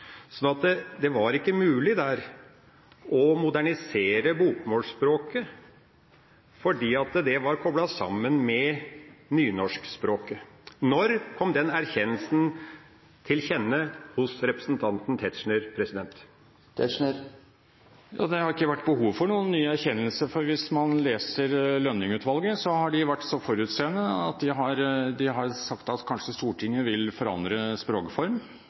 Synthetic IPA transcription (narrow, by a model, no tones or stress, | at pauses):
sɔnɑt̪əd̪ɛʋɑɾɪkːəmʉːlɪd̪æɾ | ʔɔmʊd̪æɳɪseːɾəbukmoːlʂspɾoːkə | fɔɖiːɑt̪d̪ɛʋɑɾkʰɔblɑsɑ̰mːənmɛnyːnɔʂkspɾoːkənɔɾkʰɔmd̪ɛnæɾçɛnːəlsn̩ | t̪ʰɪlçɛnːəhʊsɾɛpɾəsnt̪ʰɑnt̪n̩t̪ʰɛt̪ʂɳəɾpʰɾɛsɪd̪ɛnt̪ | t̪ɛə | jɑ̰ːd̪ɛhɑɾɪkːəʋæʈːbəhuːʋfɔɳuːənːyːəæɾçɛnːəlsəɾfɔɾʋɪsmɑnleːsəɾlœnːɪŋʉːt̪ʋɑlɡəsɔhɑɖɪʋæʈːsɔfɔɾʉːt̪seːənːəɑt̪̚d̪ɪɦɑɾd̪ɪɦɑɾsɑkt̪ɑt̪kʰɑnʂəst̪uːʈʰɪŋːəʋɪlfɔɾɑ̰nd̪ɾəspɾoːkəfɔɾm